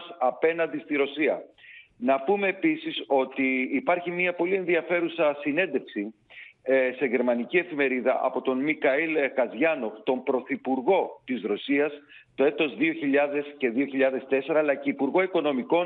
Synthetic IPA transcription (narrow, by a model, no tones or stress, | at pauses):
sɐpe̞nɐnd̪ist̪iɾo̞siɐnɐpume̞ːpisiso̞t̪iːpɐɾçimɲɐpo̞lie̞nðiɐfe̞ɾusɐsine̞nd̪e̞fksi | se̞ʝe̞ɾmɐnicie̞fime̞ɾiðɐʔɐ̰po̞t̪o̞nmikɐilkɐzʝɐno̞t̪o̞mpɾo̞θipuɾɣo̞t̪isɾo̞siɐs | t̪o̞e̞t̪o̞zðio̞çiʎɐðe̞sce̞ðio̞çiʎɐðe̞st̪e̞se̞ɾɐːlɐceipuɾɣo̞iko̞no̞miko̞